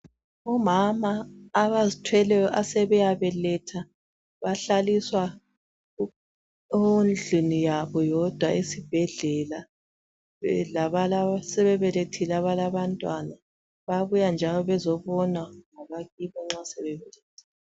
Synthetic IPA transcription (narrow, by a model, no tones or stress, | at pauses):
ɔmamaːβazitʰwɛlɛjɔʔasɛβɛjaβɛlɛtʰa | βaɬaliswa | nd͡ɮʱunijaβɔjɔd̥ʱwaisib̥ʱɛɮɛla | laβalsɛβɛβɛletʰilaβalaβantʼwana | βaβujand͡ʒʱalɔβɛzɔβɔnwaŋaβaɣiβɔŋ͡ǁasɛβɛβɛlɛːtʰḁ